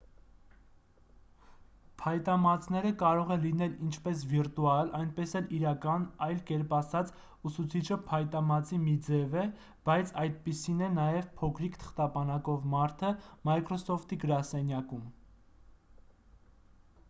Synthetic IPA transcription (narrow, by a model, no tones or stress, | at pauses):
pʰɑjt̪ɑmɑt͡sʰnɛɾəkɑɾɔʁɛlinɛlint͡ʃʰpɛs̬viɾt̪uɑlɑjnpɛsɛliɾɑkɑnɑjlkɛɾpɑsɑt͡s | usut͡sʰit͡ʃʰəpʰɑjt̪ɑmɑt͡simid͡zɛvɛ | b̥ɑjt͡sʰɑjt̪̚pisinɛnɑjɛvpʰɔkʰɾikt̪ʰə̥χt̪ɑbɑnɑkɔvmɑɾt̪ʰəmɑjkɾɔsɔft̪iɡəɾɑsɛnjɑkum